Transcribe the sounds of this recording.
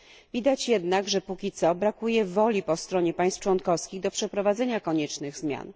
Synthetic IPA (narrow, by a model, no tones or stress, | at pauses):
vʲid̪at͡ɕjɛd̪naɡʐɛpukʲit̪sɔbɾakujɛvɔlʲipɔst̪ɾɔɲɛpaj̃stft͡ʂwɔnkɔfskʲiɣd̪ɔpʂɛpɾɔvad̪zɛɲakɔɲɛt͡ʂnɘɣzmʲja̰n